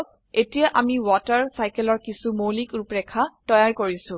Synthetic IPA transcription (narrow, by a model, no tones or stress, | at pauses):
etijaʔamiwɔtaɹsajkɛlɔɹkisumolikupɹɛkʰatɔjaɹkoɹisʊ̃